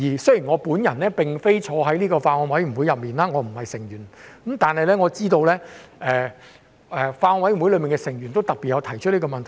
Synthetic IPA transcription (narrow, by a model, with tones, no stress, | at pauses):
jiː˨˩sɵ˥ɥji˨˩ŋɔː˨˧puː˨˥njɐ˨˩nlɛː˥pɪ˨ŋfe˥jt͡ʃʰɔː˨˧ɦɐ˨˥jniː˥kɔː˧faː˧ɔː˧wɐ˨˥jm̩˨˩wu˨˥jɐ˨p̚miː˨nlaː˥ŋɔː˨˧m̩˨˩hɐ˨jsɪ˨˩ŋjyː˨˩nkmt̪aː˨nhɐ˨jlɛː˥ŋɔː˨˧t͡siː˥t̪o˧wlɛː˥ʔɛː˧ | ʔɛː˨˧faː˧ɔː˧nwɐ˨˥jm˨˩u˨˥lɵ˨˧mi˨nkɛː˧sɪ˨˩ŋjyː˨˩nt̪o˥wt̪ɐ˨k̚piː˨t̚jɐ˨˧wt̪ʰɐ˨˩jt͡ʃʰɵ˥ni˥kɔ˧mɐ˨nt̪ʰj